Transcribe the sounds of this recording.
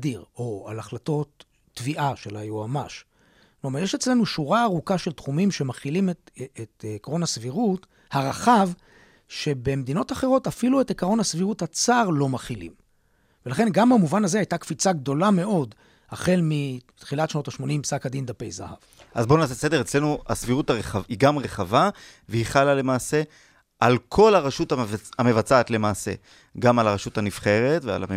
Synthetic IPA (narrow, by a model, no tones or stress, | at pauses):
diʁo̞a̰laχlato̞tː | viʔaʃelajuama̰ʃ | klomaʁjeʃe̞t͡sle̞nuʃuʁaːʁukaʃe̞ltχumimʃe̞maχilimeeetːkʁo̞nasviʁut | haʁaχav | ʃe̞be̞med̪ino̞taχe̞ʁo̞tafiluetekaʁo̞nasviʁuthat͡saʁlo̞maχilḭm | velaχe̞nɡambamuvanazeajtakfit͡saɡdo̞lame̞o̞d | haχe̞lmit̪χilatʃno̞taʃmo̞nimsakad̪ind̪apejza̰ha̰v | ʔazbo̞nasesed̪eʁet͡sle̞nua̰sviʁutaʁeχaiɡamʁeχava | veiχalale̞maːse̞ | ʔalkʰo̞laʁaʃutavamevat͡saːt̪le̞maːse̞̰ | ɡamalaʁaʃutanifχe̞ʁe̞tvea̰la̰me